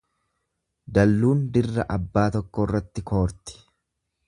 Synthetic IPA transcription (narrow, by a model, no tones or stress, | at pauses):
d̪ɐlːuːnd̪ɪrːɐʔɐbːaːt̪ɔkːɔrːɐt̪ːɪko̞ːɾt̪ɪ̥